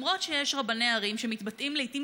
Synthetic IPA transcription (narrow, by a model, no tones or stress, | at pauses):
mʁo̞tʃejɛʃʁabaneaʁimʃemit̪batimleitim